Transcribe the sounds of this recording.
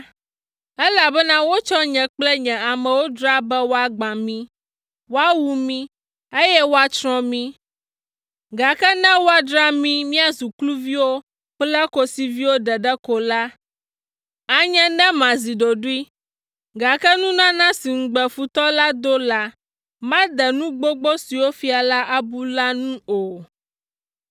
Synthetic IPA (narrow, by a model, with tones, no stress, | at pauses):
ɛ˦la˨bɛ˦nã˦wo˦t͡ʃɔ˦ɲɛ̃˨k͡plɛ˦ɲɛ̃˨a˨mɛ̃˨wo˦dɾa˦bɛ˦wo˦a˦ɡ͡bã˨mĩ˦ | wo˦a˦wu˦mĩ˦ | e˦jɛ˦wo˦a˦t͡ʃɾɔ̃˦mĩ˦ | ɡa˨kɛ˦nɛ̃˦wo˦a˦ɖɾa˦mĩ˦mĩ˦a˨zu˨klu˦vi˦wo˦ | k͡plɛ˦ko˦si˨vi˦wo˦ɖɛ˨ɖɛ˦ko˨la˦ | a˦ɲɛ̃˦nɛ̃˦mã˨zi˨ɖo˨ɖu˦i˦ | ɡa˨kɛ˦nũ˦nã˦nã˦si˨ŋ̩˨ɡ͡bɛ˨fu˨t̪ɔ˦la˦d̪o˦la˦ | mã˦d̪ɛ˨nũ˦ɡ͡bo˦ɡ͡bo˦si˨wo˦fi˦a˨la˦ʔa˦bu˦la˦nũ˦o˨